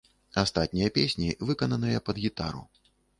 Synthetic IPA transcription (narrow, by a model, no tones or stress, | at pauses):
ast̪at̪̚ʲnʲijɐpʲesʲnʲivɨkɐnɐnɨjɐpɐd̪ɣʲit̪a̰ɾṵ